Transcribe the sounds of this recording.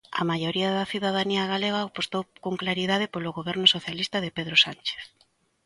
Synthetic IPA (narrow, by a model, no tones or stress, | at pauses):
ɐ̰majoɾiaðɐθiðað̞aniaɣaleɣapost̪owkoŋklaɾiðað̞ɪpoloɣoβɛɾnʊsoθjalist̪ɐðɪpeðɾosant͡ʃe̥θ